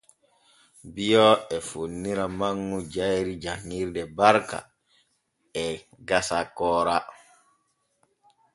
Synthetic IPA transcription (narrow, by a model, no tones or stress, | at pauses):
bijɔɛfonːiɾamaŋːud͡ʒajɾid͡ʒaŋːiɾdɛbaɾka̰ | ɛ | ɡasakɔːɾa